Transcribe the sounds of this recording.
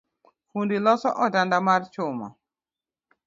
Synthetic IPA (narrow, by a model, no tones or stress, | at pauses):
fundilɔsɔ̰ʔɔdandamart͡ʃʊmɔ̰